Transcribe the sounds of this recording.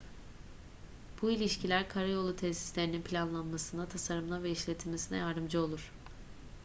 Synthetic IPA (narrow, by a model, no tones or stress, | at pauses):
b̥uilʲiʃcilʲæɾkʰaɾajo̞lˠːut̪ʰɛsi̥slʲe̞ɾininpʰilʲanlˠanmasɯnd̪at̪ʰasaɾɯmlˠaveiʃlʲet̪ʰilʲmesinɛ̰jaɾd̪ɯmd͡ʒao̞lˠuɾ̥